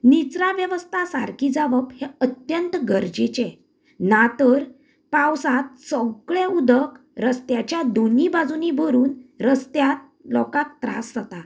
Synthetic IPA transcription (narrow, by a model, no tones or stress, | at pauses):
nit͡sɾaʋjəʋəst̪ʰasaɾkʰid͡zaʋəpheət̪jənt̪ɡəɾd͡ʑet͡ɕẽ | nat̪əɾ | pãwsãt̪̚sɔɡɭẽud̪ək | ɾəst̪jat͡ɕjad̪onibad͡zunibʱəɾuːnɾəst̪jat̪̚ | lɔ̰kãk̚t̪ɾa̰sːət̪a